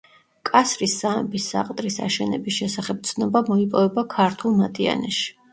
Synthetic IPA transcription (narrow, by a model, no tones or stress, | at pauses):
kʼasɾisːamɛbisːa̰qʼt̪ʼɾisa̰ʃɛnɛ̰bisʃɛsaχɛb̚t̪sʰnɔbamɔipʼɔvɛbakʰaɾt̪ʰulˠmat̪ʼia̰nɛʃi̥